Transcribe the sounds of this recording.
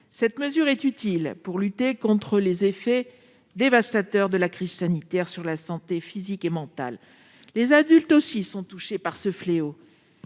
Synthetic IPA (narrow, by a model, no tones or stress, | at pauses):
sɛt̪məzyʁɛt̪yt̪ilpuʁlyt̪ekɔ̃t̪χəlezefɛ | d̪evast̪at̪œʁd̪əlakχiz̥sanit̪ɛʁsyʁlasɑ̃t̪efizikemɑ̃t̪a̰lː | ezad̪ylt̪osisɔ̃t̪uʃepaʁsəfleo